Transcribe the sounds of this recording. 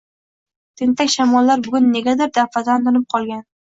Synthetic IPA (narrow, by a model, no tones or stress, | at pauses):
t̪ʰɪnt̪akʲʃamɒlːaɾbʊɡʲʊnːeɡʲad̪ɪɾd̪afad̪and̪ʊnɪp̚qʰɒlˠɡʲan